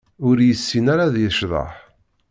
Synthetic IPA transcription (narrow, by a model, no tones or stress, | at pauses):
ʊɾjəsːinaɾaðjəʃðˤɑ̰ħ